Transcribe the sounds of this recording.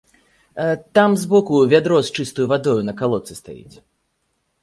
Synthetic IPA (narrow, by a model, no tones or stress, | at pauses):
at̪amzbɔkuvʲad̪ɾɔst͡ʂɨst̪ujuvad̪ɔjunɐkalˠɔt̪sɨst̪a̰jḭt͡sʲ